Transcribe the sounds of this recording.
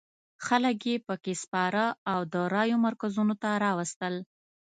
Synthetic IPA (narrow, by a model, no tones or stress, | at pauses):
xalək̬jepəkespɑɾəawd̪əɾɑjomaɾkazunot̪aɾɑwəst̪əl